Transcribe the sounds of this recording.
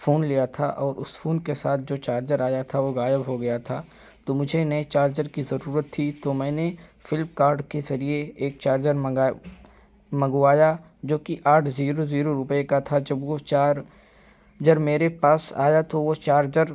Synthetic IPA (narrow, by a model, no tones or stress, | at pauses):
foːnlijat̪ʰa̰ʔɔːɾʊsfoːnkesaːt̪̚ʰd͡ʒoːt͡ʃaːɾd͡ʒəɾaːjat̪ʰaʋoɣaːjəbɦoɡɐjat̪ʰaː | t̪omʊd͡ʒʱenɐet͡ʃaːɾd͡ʒəɾkizɐɾuːɾət̪ʰːit̪omɛ̃ːnefɪlmkaːɾɖkezɐɾieːk̚t͡ʃaːɾd͡ʒəɾɡ | mɐɡuaːja | d͡ʒoːkiʔaːʈʰziːɾoziːɾoɾʊpekat̪ʰad͡ʒɐbwot͡ʃaːɾ | d͡ʒəɾmeːɾepaːsa̰ːjat̪oʋot͡ʃaːɾd͡ʒəɾ